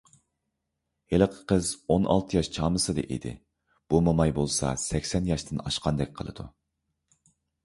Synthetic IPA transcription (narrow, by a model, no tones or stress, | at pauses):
heləqʰə̥qʰəzonʔɑ̰lˠt̪ʰɨjɑʃt͡ʃʰɑːmɨsɨd̪ɨ̰ʔḭd̪ɪ̰ | b̥umɑmɑjbolˠsɑ̰sɛkʲsɛnjɑʃt̪ʰɨnɑʃqʰɑnd̪ɛk̚ʲqʰəlˠɨ̰d̪ṵ